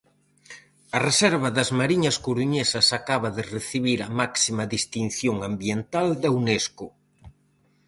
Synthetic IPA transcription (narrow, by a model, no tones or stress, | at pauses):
ɐresɛɾβɐðɐzmaɾiɲɐskuɾuɲesɐsakaβɐðɪreθiβiɾɐmaksimɐðist̪in̟θjoŋambjent̪ald̪ɐuneskʊ